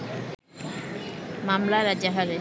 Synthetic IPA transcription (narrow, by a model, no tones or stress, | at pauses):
mamlaɾad͡ʑaɦale